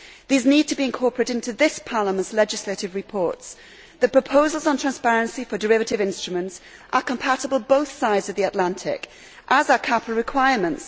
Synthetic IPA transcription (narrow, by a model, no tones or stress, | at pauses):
ðiːznid̚tʰəbiɪ̃nkʰɔɹpʰɹɨɾɪ̃ntʉðɪspʰɑɹləmə̃ntslɛd͡ʒɪsleɪɾɨvɹɨpʰɔɹts | ðɨt̚pɹ̥əpʰoʊzl̩ˠzn̩tʰɹ̥æ̃nspɛɹɨ̃nsifədəɹɪvɨɾɪvɪ̃nstɹ̥əmə̃nts | ʔəkə̃mpʰaɾəbəlˠboʊθsaɪdzəvðiəʔlæ̃ntʰɪ̰k | ʔəzəkʰapl̩ˠɹɪkʰw̥aɪəɹmə̃nts